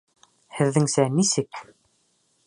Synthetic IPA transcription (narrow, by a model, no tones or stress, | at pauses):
hɘ̆ðːɘŋsænisɘk